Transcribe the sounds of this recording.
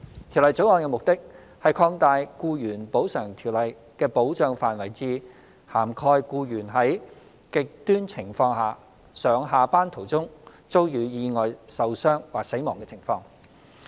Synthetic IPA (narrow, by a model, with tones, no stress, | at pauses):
t̪ʰi˨˩wlɐ˨˩jt͡so˨˥wɔː˧nkɛ˧mʊ˨k̚t̪ɪ˥k̚ | hɐ˨jkʰɔː˧ŋt̪aː˨˧jkuː˧jyː˨˩npo˨˥wsœː˨˩ŋt̪ʰiː˨˩wlɐ˨˩j | kɛː˧po˨˥wt͡ʃœː˧ŋfaː˨nwɐ˨˩jt͡siː˧ | haː˨˩mkʰɔː˧jkuː˧jyː˨˩nɦɐ˨˥j | kɪ˨k̚t̪yː˥nt͡sʰɪ˨˩ŋfɔː˧ŋɦaː˨˩ | sœː˨˥ŋɦaː˨paː˥nt̪ʰo˨˩wt͡sʊ˥ŋ | t͡so˥wjyː˨˧jiː˧ŋɔː˨jsɐ˨wsœː˥ŋwaː˨˩k̚se˨˥jmɔː˨ŋkɛː˧t͡sʰɪ˨˩ŋfɔː˧ŋ